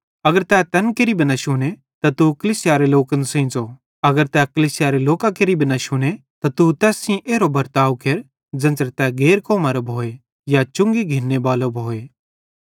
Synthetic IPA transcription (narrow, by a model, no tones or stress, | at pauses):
ɐɡəɾt̪ɛt̪ɐnkeɾibɐnaʃʊñe | t̪at̪ukɐliːsɪjaɾeloːkənsẽːt͡so | ɐɡəɾt̪ɛkɐliːsɪjaɾeloːkãkeɾibɐnaʃʊñe | t̪at̪ut̪ɛːsĩʔeːɾobɐɾt̪aːʋkeɾ | d͡zɐ̃nd͡zəɾt̪ɛɡeːɾkoːmaːɾobʱoːe | jat͡ʃʊ̃ŋɡiɡʱinːebaːlobʱoːeː